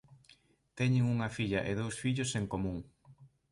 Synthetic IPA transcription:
t̪ɛɲeŋuŋɐfiʎɐʔeð̞owsfiʎoseŋkomũŋ

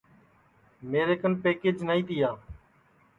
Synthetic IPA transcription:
meːɾeːkənpeːkeːd͡ʒnaːĩːt̪ijaː

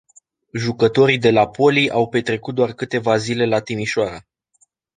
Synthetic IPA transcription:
ʒukət̪o̞ɾid̪e̞lapo̞liʔawpe̞t̪ɾe̞kut̪̚d̪oarkɨt̪e̞vazile̞lat̪imiʃoaɾə

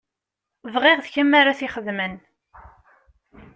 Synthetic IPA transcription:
vʁeʁðçəmːaɾaθiχəðmən

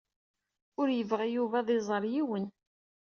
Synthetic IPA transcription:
ʊɾjəvʁæjuvæðˤezˤəɾˤjiwən

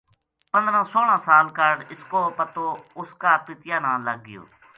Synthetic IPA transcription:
pə̃nd̪ɾãːsoːlãːsaːlkəɽɪskoːpət̪oːʊskaːpɪt̪ɪjãːnãːləɡ̚ːɪjo̰ː

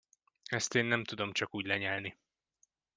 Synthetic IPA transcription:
ɛst̪eːnːɛmt̪ud̪o̞mt͡ʃɒkuːɟlɛɲɛlni

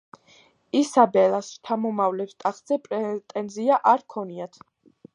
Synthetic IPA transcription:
isabɛlˠast͡ʃʰamɔmavlɛpst̪ʼaχz̥ɛpʼɾɛt̪ʼɛnziaʔaɾkʰɔniat̪ʰ

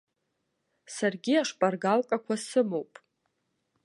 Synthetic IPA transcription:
sarɡʲiaʂpʼarɡalkʼakʷʰasɨmowpʼ

